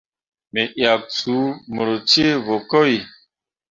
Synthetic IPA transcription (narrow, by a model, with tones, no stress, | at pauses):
me˨ʔja˨k̚t͡su˨˦mə˨ɾo˨t͡ʃe˦vo˨kɔ˦i˨